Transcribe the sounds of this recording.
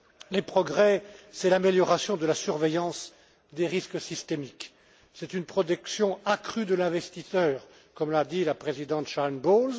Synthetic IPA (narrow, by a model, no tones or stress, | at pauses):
lepχɔɡʁɛsɛlameljɔʁasjɔ̃d̪əlasyʁvejɑ̃s | d̪eʁisksist̪emik | sɛt̪ynpχɔt̪̬ɛksjɔ̃akχyd̪əlɛ̃vɛst̪isœːʁ | kɔmlad̪ilapχezid̪ɑ̃t̪ʃanbolz